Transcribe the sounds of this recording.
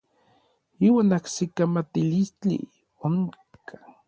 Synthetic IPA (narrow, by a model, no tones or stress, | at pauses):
iːwaːnaksikamat̪ilist͡ɬḭ | oŋ | kʰḁ